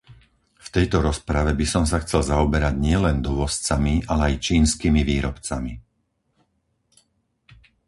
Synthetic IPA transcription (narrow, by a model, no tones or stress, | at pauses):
ft̪ɛjt̪ɔɾɔspɾaʋɛbisɔms̬axt͡sɛlzaɔbɛɾaɟɲɪɛlɛnd̪ɔʋɔst͡samialɛajt͡ʃiːnskiːmiʋiːɾɔpt͡sami